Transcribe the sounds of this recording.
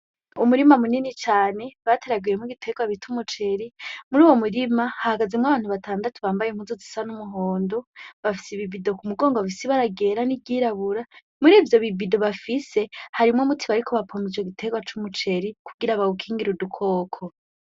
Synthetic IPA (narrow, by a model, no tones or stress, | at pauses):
umuɾimamuninit͡ʃaːne̞βatʰe̞ɾaɡujemiɡitʰe̞ɡwaβitʰumut͡ʃe̞ɾimuɾuːwo̞muɾimahahaɡazemŋaβaːn̥huβatʰaːndatʰuβaːmbajemhuːnzozisanumuɦoːndo̞βafi̥siβibido̞kumuɡo̞ːŋɡoβafisiβaɾaɡe̞ːɾanibɟiɾaβuɾa | muɾiːvjo̞βibido̞βafisehaɾimŋomutʰiβaɾikʰoβapʰomid͡ʒoɡitʰe̞ɡwat͡ʃumut͡ʃe̞ɾikʰuɡiɾaβaɡukʰiːŋɡiɾudukʰo̞ːkʰo